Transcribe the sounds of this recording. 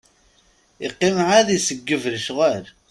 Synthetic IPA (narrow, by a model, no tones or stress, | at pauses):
ɪqːɪmʕaðisəɡːəvɾəʃʁəɾ